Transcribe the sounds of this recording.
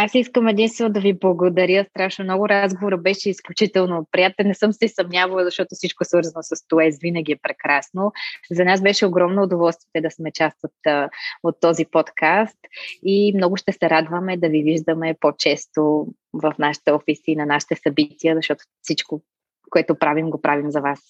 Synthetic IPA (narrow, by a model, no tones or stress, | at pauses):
asiskəmɛd̪inst̪vɛnʊd̪ɐviblˠɐɡod̪ɐɾjəst̪ɾaʃnomnɔɡʊɾazɡovoɾəbɛʃɛisklʲut͡ʃit̪ɛlˠnopɾijat̪ɛlnɛsɤmsɛsɐmnʲjavɐlˠzɐʃt̪ɔt̪ʊfsit͡ʃkoɛsvɤɾzɐnosɐst̪oɛzvinəɡ̟ʲiɛpɾɛkɾasnozɐnasbɛʃɛoɡɾɔmnoːd̪ovɔlˠst̪viɛt̪ɛd̪ɐsmɛt͡ʃast̪vət̪ot̪ːɔzipɔt̪kʰast̪imnɔɡʊʃt̪ɛsɛɾad̪vəmɛd̪ɐviviʒd̪əmɛpot͡ʃɛst̪o | vɐfnaʃi̥t̪ɛɔfisiːnɐnaʃi̥t̪ɛsɐbit̪iəzɐʃt̪ɔt̪o̥fsit͡ʃko | koɛt̪ʊpɾavimɡopɾʔavimzɐvas